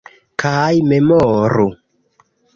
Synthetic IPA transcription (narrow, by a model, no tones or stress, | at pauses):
kʰajmemɔɾu